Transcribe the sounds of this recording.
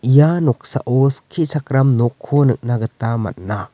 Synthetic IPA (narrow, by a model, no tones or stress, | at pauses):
ijanɔk̚sa̰ʔoskʰisakɾamnɔkʰːonɯk̚naɡətama̰t̚na